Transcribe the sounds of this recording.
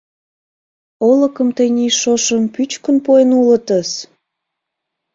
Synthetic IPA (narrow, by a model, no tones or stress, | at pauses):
olə̆kəmt̪əjnʲiʃoʃəmpyt͡ɕkənpoenulət̪əs